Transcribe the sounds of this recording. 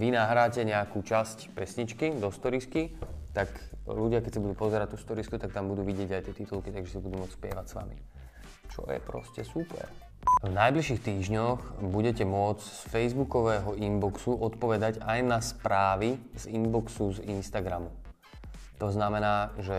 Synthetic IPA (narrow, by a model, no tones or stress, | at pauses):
ʋinaɦɾaːcɛɲɛakuːt͡ʃascpɛsɲit͡ʃkid̪ɔst̪ɔɾiskit̪akluɟɪakɛcsabud̪uːpɔzɛɾaɟ̚t̪ust̪ɔɾiskut̪ak̚t̪ambud̪uːʋiɟɪɛɟajt̪ɪɛt̪it̪ulˠkit̪aɡʒɛsabud̪uːmʊɔt͡sspɪɛ̰ʋacsʋa̰mḭ | t͡ʃɔ̰jɛ̰pɾɔ̰scɛsupɛ̰ɾ | vnajbliʃixt̪iːʒɲɔxbuɟɛcɛmʊɔt͡ssfɛjzbukɔʋɛːɦɔʔimbɔksuʔɔt̪pɔʋɛd̪aɟajnaspɾaːʋizimbɔksuzinst̪aɡɾamu | t̪ɔznamɛnaːʒɛ